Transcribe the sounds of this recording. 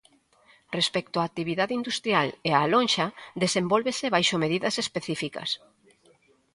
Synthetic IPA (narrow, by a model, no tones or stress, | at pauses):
respɛk̚t̪oaːk̚t̪iβ̞iðaðeind̪ust̪ɾjalealõnʲʃaðesembolβeseβajʃomeð̞iðɐsespeθifikɐ̰s